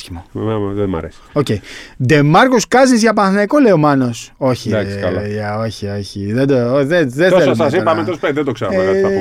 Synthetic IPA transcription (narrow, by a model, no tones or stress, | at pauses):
çimommemðemɐ̰ɾḛsi̥oceid̪e̞mɐɾkoskɐzniszʝɐpɐnθnɐkoleomɐno̞so̞çid̪ɐsɐlɐɐo̞çio̞çiðed̪oðeðeoesɐsɐs̬ipɐmet̪ospeðed̪okseɾkɐ